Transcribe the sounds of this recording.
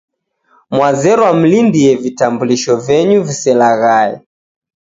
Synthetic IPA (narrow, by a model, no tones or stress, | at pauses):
mwazɛɾɔwam̩lindiɛvitambuliʃɔvɛɲuvisɛlaɣaɛ̰